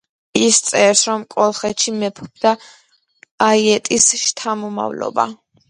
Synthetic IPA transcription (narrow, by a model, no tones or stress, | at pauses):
ist̪sʼɛɾsɾɔmkʼɔlˠχɛt̪ʃimɛpʰbd̪aː | iɛt̪ʼisʃt̪ʰamɔma̰vlɔ̰ba̰